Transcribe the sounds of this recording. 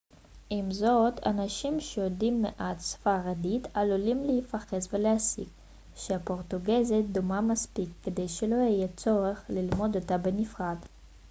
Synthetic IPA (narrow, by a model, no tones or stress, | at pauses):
ʔimzo̞t̪ʰa̰naʃimʃejodimːeʔat̪sfaʁad̪it̪alulimleifaχesveleasḭk | ʃeapo̞ʁt̪uɡezet̪̚d̪umamaspikːed̪e̞jʃelo̞jijet͡so̞ʁeχlilmo̞d̪ot̪abenifʁad̪